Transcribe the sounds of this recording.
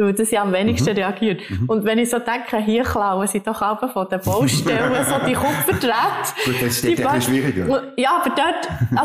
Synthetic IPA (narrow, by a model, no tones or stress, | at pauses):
ud̪əsiɑmvɛnɪkʃtəɾɛɑɡ̥iəɾtʊnd̪ʋɛnɪsoːtæŋkχəɦiəχlɑʊəsid̥ɔχɑlbəfɔd̥əb̥ɔʊʃtɛləsod̪iχʊpfətɾætiʃiʁiɡəʊjɑːɑb̥əɾd̥œt